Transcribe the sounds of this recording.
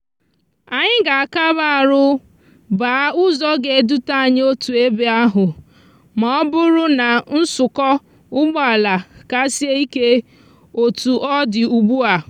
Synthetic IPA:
a˨ɲɪ˦ɡa˨a˨ka˦ba˦a˨ɾʊ˦ | ba˨˦ʊ˦zɔ˦ɡe˨du˦ta˦a˨ɲɪ˦o˦tu˨e˦be˦a˦ɦʊ˨ | ma˨ɔ˦bʊ˦ɾʊ˦na˨n̩˦sʊ˨kɔ˦ | ʊ˦ɡ͡bɔ˦a˨la˨ka˨˦si˦e˦i˦ke˦ | o˨tu˨ʔɔ˦dɪ˨u˨ɡ͡bu˦a˨

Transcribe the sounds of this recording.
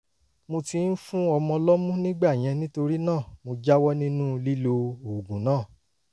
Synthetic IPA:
mo˧ti˧n̩˦fũ˦ɔ˧mɔ̃˧lɔ˦mũ˦nĩ˦ɡ͡ba˦˨j̃ɛ̃˧nĩ˦to˧ɾi˦nãː˦˨mo˧d͡ʒa˦wɔ˦nĩ˦nũ˦li˦lo˧o˨ɡũ˨˦nãː˦˨

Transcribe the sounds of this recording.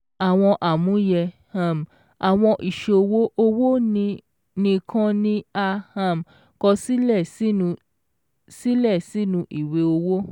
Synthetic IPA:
a˨w̃ɔ̃˧ʔa˨mũ˨˦jɛ˧ | a˨m˨ | a˨w̃ɔ̃˧ʔi˨ʃe˧˨o˧wo˦ʔo˧wo˦nĩ˧ | nĩ˧kʰã˦nĩ˦a˧ha˧˨m | kɔ˧si˦lɛ̃˦˨˦ | si˦lɛ˦˨si˦nũ˧ʔi˨we˧o˧wo˦

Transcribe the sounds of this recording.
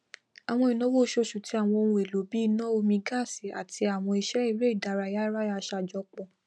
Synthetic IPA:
a˨w̃ɔ̃˧i˨nɔ̃˨˦wo˦˧ʃo˧˨ʃu˨ti˨˦a˦˨w̃ɔ̃˧o˧nũ˧e˨lo˨˦bi˦˧nɔ̃˦o˧mĩ˧ɡa˦˨si˨a̰˨tʰi˧a˨w̃ɔ̃˧i˧ʃɛ˨˦i˦˧ɾe˦i˦˨da˨˧ɾa˧ja˦ɾa˦a˧ʃa˧˨d͡ʒɔ˧k͡pɔ̃˨

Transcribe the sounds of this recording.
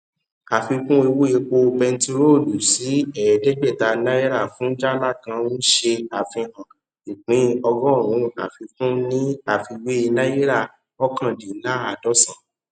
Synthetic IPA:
a˨fi˧kũ˦e˧wo˦e˧k͡po˧pɛ˧n̩˦ti˧ɾo˦˨du˨si˨˦ɛ˦˨ɛ˨dɛ˦ɡ͡bɛ˦˨ta˧nã˦ji˦ɾa˦˨fũ˨˦d͡ʒa˦la˦˨kã˧˦nũ˦ʃe˧a˨fĩ˧ã˨ | ʃu˨k͡pĩ˨˦ɔ˧ɡɔ̃˦˨ũ˨˦˨a̰˨fi˧kũ˦nĩ˦a˨fi˧we˦e˧na˦ji˦ɾa˦˨ | ɔ˦kã˦˨di˨˦la˦a˨dɔ˦sã˦˨

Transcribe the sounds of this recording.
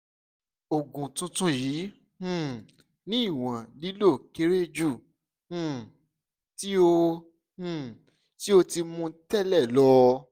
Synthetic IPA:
o˨ɡũ˨tũ˧tũ˧jĩː˨˦˨ | nĩ˦i˦˨w̃ã˨li˨˦lo˦˨ke˦ɾe˦d͡ʒũ˦˨ | ti˦õ˧˦˨ | ti˦o˧ti˧mũ˧tɛ˦˨lɛ˦˨lɔ˦

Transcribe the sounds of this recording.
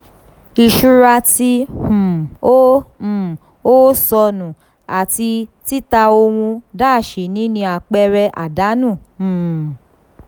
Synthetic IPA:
i˧ʃu˦ɾa˧ti˧hũ˨õ˦˨ | o˦sɔ˧nũ˨ | a˨ti˧ti˦ta˧o˧wũ˧daː˦˨ʃe˨nĩ˨˦nĩ˧a˨k͡pɛ˧ɾɛ˧ʔa̰˨da˨˦nũ˦˨ũ˨

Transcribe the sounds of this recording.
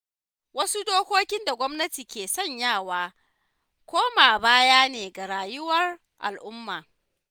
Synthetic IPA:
wɐ˦su˦doː˦kʷoː˦kʲɪ˦nda˨ɡʷɐ˦mnɐ˦tiː˨kʲeː˨sɔ˦˨ɲjaː˦˨waː˦ | kʷoː˦maː˨baː˦jaː˦neː˨ɡa˨ɽaː˨jʊ˦wɐ˦r | ʔa̰˨lʔʊ˦mːaː˨

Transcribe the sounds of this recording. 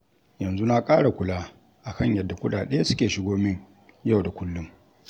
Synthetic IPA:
jɐ˨nzu˦na˦kʼaː˦ɽa˨kʷʊ˨laː˦ | ʔa˨kɐ˦˨ɲjɐ˦˨dːa˨kʷʊ˦ɗaː˨ɗɐ˦ja˦sʊ̥˦kʲeː˨ʃɪ˦ɡoː˦mɪ˦ɲ | ja˦˨wda˨kʷʊ˦lːʊ˦m

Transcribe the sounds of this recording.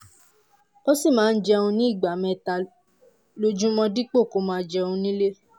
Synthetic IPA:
o˦si˦˨mãː˨˦˧n̩˦d͡ʒɛ˧ũ˧nĩ˦i˦˨ɡ͡ba˨mɛ̃˧ta˧ | lo˧d͡ʒũ˦mɔ̃˧di˦k͡po˦˨ko˨˦mãː˧d͡ʒɛ˧ũ˧nĩ˦le˦

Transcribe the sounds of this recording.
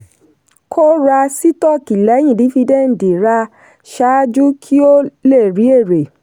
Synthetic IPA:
kʰo˦ɾa˧si˦tɔ˦˨ki˨lɛ˨˦j̃ĩ˦˨di˨˦fi˧dɛ̃˦˨n̩˨di˨ɾa˧ | ʃa˦d͡ʒu˦kʰi˦o˦le˦˨ɾi˨˦e˦˨ɾe˨

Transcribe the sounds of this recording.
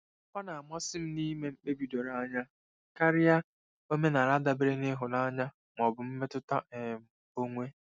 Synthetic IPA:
kʷa˦na˨a˨mɔ˦sɪ˦m̩˦ni˦me˦m̩˦k͡pe˦bi˨do˨ɾa˦ɲa˦˨ | ka˦ɾɪ˦ja˦ | o˦me˦na˨ɾa˦da˨be˦ɾe˦ŋe˦ɦʊ˨na˦ɲa˦ | m˨ɔ˨bʊ˨m̩˦me˦tʊ˦ta̰˦e˨m̩˨ | o˦ŋʷe˦

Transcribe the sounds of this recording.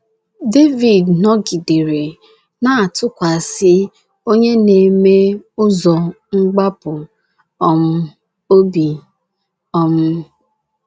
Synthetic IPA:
de˦vi˨dnɔ˦ɡi˨de˨ɾe˨ | na˨a˨tʊ˦kʷa˨sɪ˦ | o˦ɲe˦ne˨me˦ʊ˦zɔ˨ | ŋ͡m̩˦ɡ͡ba˦pʊ˨ | ɔ˦m̩˦ | o˦bi˨ | ɔ˦m̩˦

